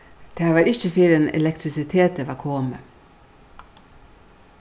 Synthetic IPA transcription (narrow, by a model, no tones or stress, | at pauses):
d̪̥eːhæːʋɑːɾɪçəfɪɾənɛ̰lɛk̚t̪ɾɪsɪt̪ʰeːt̪əʋɑkʰoːmə